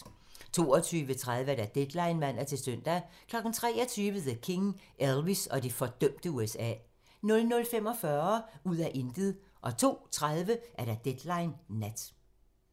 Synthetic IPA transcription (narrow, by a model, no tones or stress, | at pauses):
t͡sʰo̝̰ːɒt͡sʰyːʋət͡sʰʁað̞ˠʋəæɐɾ̥æd̥ed̥lɑ̈ɪnmæn̰ɐt͡sʰe̝søn̰d̥ækʰlɒ̽ɡ̥n̩t͡sʰʁɛ̰ːɒ̽t͡sʰyːʋəðekʰe̝ŋʔelʋisɒ̽d̥ifɒ̽d̥œm̰d̥əuesɛ̰ː | nɔ̽lnɔ̽lfem̰ɒ̽fɶɐuð̰ˠæʔe̝nd̥əð̩ˠ | ʔɒ̽t͡sʰo̝̰ːt͡sʰʁað̞ˠʋəʔæɐɾ̥æd̥ed̥lɑ̈ɪnːæd̥